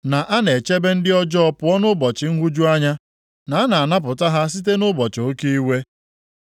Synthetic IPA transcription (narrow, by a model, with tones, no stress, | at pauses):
na˨ʔa˦ne˨t͡ʃe˦be˦n̩˦dɪ˦ɔ˦d͡ʒɔ˦ɔ˦pʊ˨˦ɔ˦nʊ˦bɔ˨t͡ʃɪ˨ŋ̩˦ɦʷu˦d͡ʒu˦a˦ɲa˦ | na˨a˦na˨na˦p̬ʊ˨ta˦ɦa˦s̬i˦t̬e˦nʊ˦bɔ˨t͡ʃo˦ki˦i˦we˦